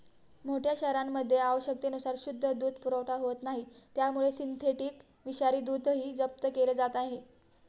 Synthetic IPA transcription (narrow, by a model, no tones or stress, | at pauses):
moʈʰjaɕɛɾamːəd̪ʱːjeaʋəɕək̚t̪enusaɾɕud̪ʱːəd̪uːd̪̚ʱpuɾəʋʈaɦoət̪naɦit̪jamuɭesint̪ʰeʈiːk | ʋiɕaɾiːd̪uːd̪ɦiːd͡zəp̚t̪əkeled͡zat̪aɦe